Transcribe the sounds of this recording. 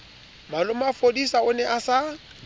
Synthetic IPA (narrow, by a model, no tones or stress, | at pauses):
malʊmafodisaʊnɛʔasa